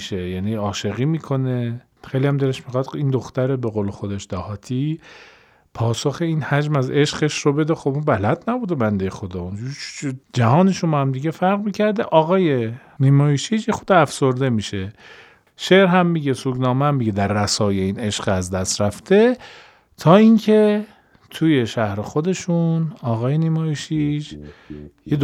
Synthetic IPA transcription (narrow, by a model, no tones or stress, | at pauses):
ʃejæniɒːʃe̞ɣiːmiːkʰo̞ne̞ | xejliæmd̪eleʃmixɑd̪ind̪oxt̪æɾebe̞ɣoːlexo̞d̪eʃd̪æhɒːt̪ʰi | pʰɒːsoxe̞iːnhæd͡ʒmæze̞ʃɢeʃrobe̞d̪exobunbælæd̪næbuːd̪ebænd̪e̞jexod̪ɒːunid͡ʒæɦɒːneʃomɒːhæmd̪iɟefæɾɣmiːcʰæɾd̪eʔɒːɣɒːje | niːmɒːjiʃid͡ʒjexod̪ɛæfsoɾd̪e̞miːʃe | ʃeʔɾɦæmːiɟesuːɡnɒːmeæmːiɟed̪æɾːæsɒːjeiːne̞ʃɢæzd̪æst̪ɾæft̪e | t̪ʰɒːincʰe̞ | t̪ʰujeʃæhɾexod̪e̞ʃunɒːɣɒːjenimɑːjiʃid͡ʒ | jed̪